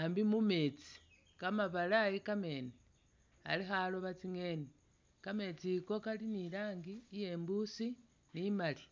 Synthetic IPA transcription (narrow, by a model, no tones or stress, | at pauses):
ambimume̞t͡si̥ | kamaβalajikame̞ːne | a̰lixaloβat͡siŋe̞ni | kame̞t͡siko̞kalinilaːŋɡiːje̞ːmbusi | nimali